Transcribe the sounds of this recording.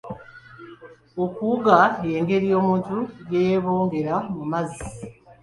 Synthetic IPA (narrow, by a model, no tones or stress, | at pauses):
okuɡaje̞ːŋɡe̞ɾijo̞ːmuːntujejeβo̞ːŋɡe̞ɾamumazi